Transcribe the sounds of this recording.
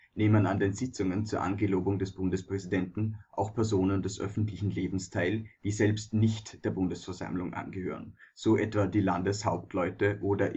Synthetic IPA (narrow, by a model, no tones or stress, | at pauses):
neːmənandeːnzɪt͡sʊŋənt͡suːɐʔa̰nɡəloːbʊŋdɛsb̥ʊndəspʁ̥ɛzidɛntn̩ʔa̰ʊxpʰɛɐzoːnəndɛsʔœ̰fn̩tlɪçn̩leːbm̩stʰaɪld̥iːzɛlpstnɪçtd̥eːɐbʊndəsfɛɐza̰mlʊŋʔa̰nɡəhø̰ːʁ̞ənz̥oːʔɛtv̥adiːlandəshaʊp̚tʰlɔʏtəʔoːdɐʔ